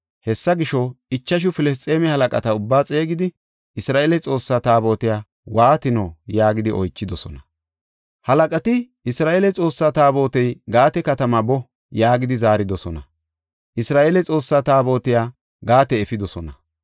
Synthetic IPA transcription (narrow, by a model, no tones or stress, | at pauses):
hɛsːɐɡɪʃɔɪt͡ʃːɐʃ̬ʊfɪlɛs̬t͡sʼe̞ːmɛhɐlɐkʼɐt̪ɐʊbːaːt͡sʼe̞ːɡɪd̪ɪ | ɪsɾaːʔelɛt͡sʼo̞ːsːaːt̪aːbo̞ːt̪ɪjaː | waːt̪ɪnoːjaːɡɪd̪ɪʔɔjt͡ʃːɪd̪ɔsɔ̰nɐ | hɐlɐkʼɐt̪ɪ | ɪsɾaːʔelɛt͡sʼo̞ːsːaːt̪aːbo̞ːt̪ɛjɡaːt̪ɛkɐt̪ɐmabɔ | jaːɡɪd̪ɪzaːɾɪd̪ɔsɔnɐ | ʔɪsɾaːʔeːlɛt͡sʼo̞ːsːaːt̪aːbo̞ːt̪ɪjaː | ɡaːt̪ɛːfɪd̪ɔsɔnɐ